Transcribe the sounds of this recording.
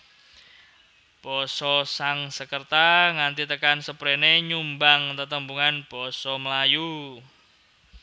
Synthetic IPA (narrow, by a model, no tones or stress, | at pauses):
b̥ɔsɔsaŋsəkərt̪aŋant̪it̪əkansəpɾeneɲumbaŋt̪ət̪əmbuŋanb̥ɔsɔməlaju